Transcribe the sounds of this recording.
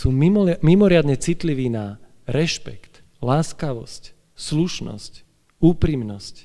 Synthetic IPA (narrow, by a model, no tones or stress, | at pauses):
suːmimmimɔɾɪad̪ɲɛt͡sit̪liʋiːna | ɾɛʃpɛ̰kt̪ | laːskaʋɔ̰sc | sluʃnɔ̰sc | uːpɾimnɔsc